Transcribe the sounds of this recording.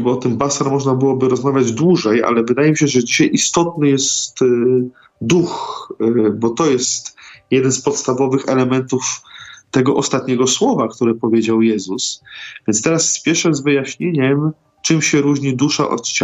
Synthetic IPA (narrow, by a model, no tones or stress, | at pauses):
bɔɔt̪ɘmbasaɾmɔʐnabɘwɔbɘɾɔzmavʲjad͡ʑd̪wuʐɛjʔa̰lɛvɘd̪ajɛmʲiɕɛʐɛd͡ʑiɕajʔist̪ɔt̪nɘjɛst̪ | d̪ux | bɔt̪ɔjɛst̪jɛd̪ɛnspɔt̪st̪avɔvɘxɛlɛmɛnt̪uft̪ɛɡɔʔɔst̪at̪ɲɛɡɔswɔvakt̪uɾɛpɔvʲjed͡ʑawjɛzusvʲjɛnt̪t̪ɛɾasːpʲjɛʂɛzvɘjaɕɲeɲɛm | t͡ʂɘmɕɛɾuʑɲid̪uʂa̰ʔɔ̰t͡ɕ